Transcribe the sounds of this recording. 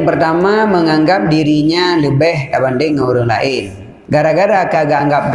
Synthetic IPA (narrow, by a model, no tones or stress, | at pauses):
ŋpərt̪amaməŋaŋɡap̚diɾiɲaləbɛhkabandɪŋːəuɾʊŋla̰ʔɪn | ɡaɾaɡaɾakaɡaŋɡap̚